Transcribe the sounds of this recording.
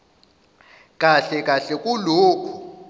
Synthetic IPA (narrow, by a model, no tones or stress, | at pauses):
kʼaɬɛkʼaɬɛkʼuloːkʰu̥